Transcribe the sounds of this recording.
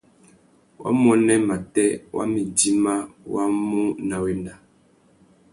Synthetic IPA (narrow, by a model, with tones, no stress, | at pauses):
wʔa̰˦m˦ɔ˦nɛ˦ma˨tɛ˦wʔa̰˦mi˨d͡ʒi˦ma˦wa˦mu˦na˨we˨na˨